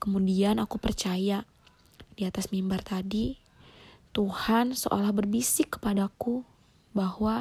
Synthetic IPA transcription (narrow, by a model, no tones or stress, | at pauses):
kəmudianakupərt͡ʃaja | d̥iat̪asmimbart̪adi | t̪uhansəʔo̰lahbərbisɪkːə̥padaku | bahwa